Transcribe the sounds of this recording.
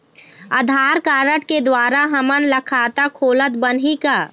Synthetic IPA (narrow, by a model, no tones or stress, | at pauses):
əd̪ʱaːɾkaːɾəʈked̪waːɾaɦɐmənlɐkʰaːt̪akʰoːlət̪bənɦikaː